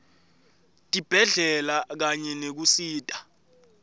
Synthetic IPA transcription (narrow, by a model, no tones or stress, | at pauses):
tʼib̥ʱɛɮɛlak̬aɲɛnek̬usiːtʼḁ